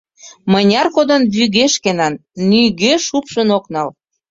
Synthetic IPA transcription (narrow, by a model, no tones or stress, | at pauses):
mənʲɑrkod̪ənβyɣeʃkenɑnːyɣøʃupʃənoknɑl